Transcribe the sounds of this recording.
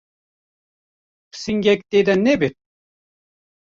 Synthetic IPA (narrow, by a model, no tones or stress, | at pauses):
pʰsiŋɡek̚t̪ed̪ɐnebet̪